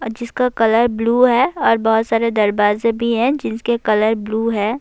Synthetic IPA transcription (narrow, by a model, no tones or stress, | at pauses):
d͡ʒɪskakɐləɾbluːɦɛːɔːɾbɔɦʊt̪saːɾed̪ɐɾbaːzẽbʱiɦɛ̃d͡ʒɪskekɐləɾbluːɦɛː